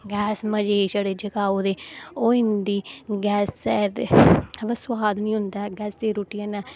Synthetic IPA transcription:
ɡɛːsməd͡ʒeːʃəɽeːd͡ʒəkaːod̪eːoːɪnd̪iːɡɛːsːɛːd̪bəsʊwaːd̪nĩːɦʊnd̪aːɡɛːsd̪eːɾuːʈiɛnɛː

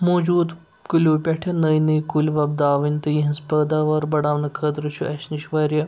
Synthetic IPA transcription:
moːd͡ʒuːd̪ | kulʲoːpʲɐʈʰɐnɐjniːkulʲʋɐb̚d̪aːʋinʲt̪ɨjiɦɐspɐːd̪aːʋɐɾbɐɽaːʋnɐkʰəd̪ɾɨt͡ʃʰuʔɐʃniʃʋɐːɾʲjɐ

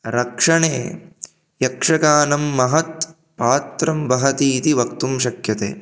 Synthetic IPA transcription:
ɾɐkʂɐɳḛː | jɐkʂɐkaːnɐmːɐɦɐt̪̚ | paːt̪ɾɐmbɐɦɐt̪iːt̪iʋɐkt̪umʃɐkjɐt̪ḛː

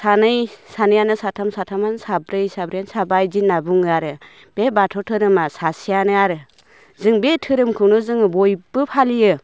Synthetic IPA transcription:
sanɯjsanɯjanɯsatʰamsatʰamansabɾɯjsabɾjansabajzinːabuŋɯaɾɯ | b̥ebatʰɔtʰɯɾɯmasasijanɯaɾɯ | zɯŋbetʰɯɾɯmkʰɯnɯzɯŋɯbɔjb̥ɯpʰalijɯ

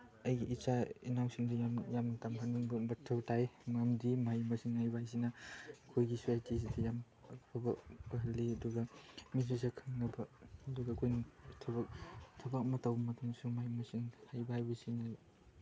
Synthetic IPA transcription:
ɐjɡiʔːt͡ʃaḭnawsiŋdijamjamnɐtamɦaniŋbɐbɐtʰɐwtajŋamdimajmɐsiŋhajbajs̬inɐkʰojɡisuajtis̬idʰijam | ɐkpʰabɐɦɐlːiɐduɡɐmisɾisakʰɯŋnɐbɐɐduɡɐkʰojnitʰɐbɐk̚tʰɐbɐk̚mɐtɐwbɐmɐtʰuŋsumajmɐsiŋhajbaajbɐsina

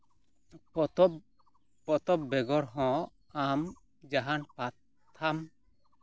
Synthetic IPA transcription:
pɔt̪ɔ | pɔt̪ɔp̚bɛɡɔɾɦɔ̃ | am | d͡ʒaɦanpat̪ʰː | am

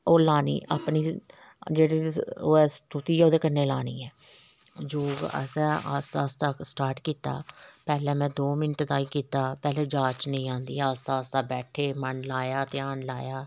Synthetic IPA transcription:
oːlaːnḭːʔa̰ːpniː | d͡ʒeːɽiːɛːst̪ut̪iːɛːoːd̪eːkənːeːlaːnḭːɛː | d͡ʒoːɡə̰sɛ̃ːa̰ːst̪aːst̪aːsʈaːɾʈkiːt̪a̰ːpɛːlɛ̃ːmɛ̃ːd̪oːmɪnʈd̪aːiːkiːt̪aːpɛːleːd͡ʒaːt͡ʃnəĩːãːnd̪ḭːaːst̪aːst̪aːbɛːʈʰeːmənlaːjaːt̪eːaːnlaːjaː

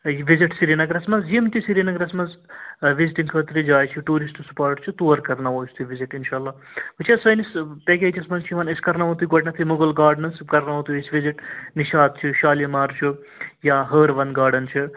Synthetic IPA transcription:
ʋiziʈsiɾinɐɡɐɾɐsmɐzjimt̪isiɾinɐɡɾɐsmɐzʋiziʈiŋkʰɐt̪ɾid͡ʒaːjt͡ʃʰuʈuːɾisʈsu̥paːɾʈt͡ʃʰut̪uːɐɾkɐɾnɐʋosʲt̪ʰuʋiziʈinʃaːɐlːaː | but͡ʃʰasɐjnispeːkʲed͡ʒɐsmɐnt͡ʃʰiʋɐneskɐɾnɐʋɐ̃t̪uɡoʈʲnɐt̪ʰimuɡɐlɡaːɾɖnɐskɐɾnaʋõt̪uesʋiziʈniʃaːd̪̚t͡ʃʰuʃaːljɐmaːɾt͡ʃʰu | jaɦəːɾʋɐnɡaːɾɖɐnt͡ʃʰu

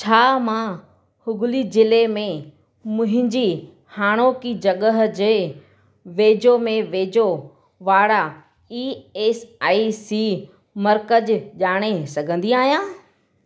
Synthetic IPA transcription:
t͡ɕʰaːmã | hʊɡʱʊlizɪlemẽ | mʊ̃ɦɪ̃ɲd͡ʑi | haːɽ̃okid͡ʑɐɠəɦd͡ʑeː | ʋeːd͡ʑomẽʋeːd͡ʑo | ʋaːɽa | iːeːsaːisiː | mɐɾkəʄʄaːɽ̃esɐɡʱə̃nd̪iaːɦijãː

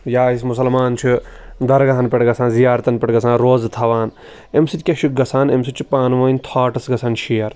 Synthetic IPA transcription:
jaːis̬mʊsɐlmaːnt͡ʃʰud̪ɐɾɡɐɦɐnpɐʈɡɐsʰãːnzijaːɾt̪ɐnpɐʈɡɐsãːnɾoːzt̪ʰɐʋaːn | emsɨt̪ʲkʲɐʃiɡɐsʰaːnemsit͡ʃʰupaːnʋɐːnʲt̪ʰaːʈɐsɡɐsʰɐːnʃijɐɾ

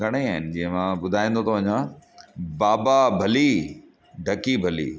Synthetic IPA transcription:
ɐɽ̃eaːɦɪnɪ̆d͡ʑĩːɦə̃mãɓʊd̪ʱaːĩːnd̪ot̪ʰoʋɐ̃ɲmã | baːbabʱɐli | ɖʱɐkibʱɐlḭː

